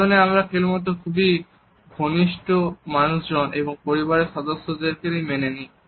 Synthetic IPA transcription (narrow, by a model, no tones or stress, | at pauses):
oneamɾakʰelmɔt̪̬okʰubi | ɡʱoniʃʈomanusd͡ʑɔnebɔŋpoɾibaɾesɔd̪osːozeɾkeɾimeneni